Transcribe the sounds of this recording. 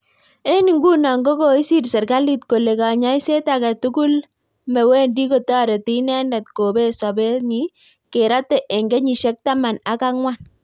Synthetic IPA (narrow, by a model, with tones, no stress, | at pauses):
e˦ni˨ŋɡu˦na˨ŋɡo˦ko˨i˦si˦tsɛ˨ɾɡa˦li˦tko˨le˨ka˨ɲa˦i˦se˦takɛ˨tu˦ku˦l | mɛ˨we˦ndi˦ko˦ta˦ɾe˨ti˦nɛ˦nɛ˨t̚ko˨be˦sa˨bɛ˦ɲi˦ | ke˨ɾa˦tɛ˨ʔe˨ŋɡe˦ɲi˨ʃɛ˦k̚ta˦ma˨na˨˦ka˦ŋwa˦˨n